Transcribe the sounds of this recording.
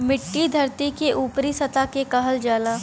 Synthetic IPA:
mɪʈːid̪ʱɐɾt̪ikeʔuːpɾisɐt̪akekɐɦəld͡ʒaːlaː

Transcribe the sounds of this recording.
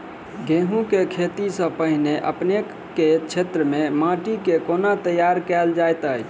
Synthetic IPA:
ɡeɦũkekʰet̪isə̃pəɦneʔəpne | kːet͡ʃʰet̪ɾəmemãʈikekonat̪əjaɾkɛld͡ʒajt̪əj

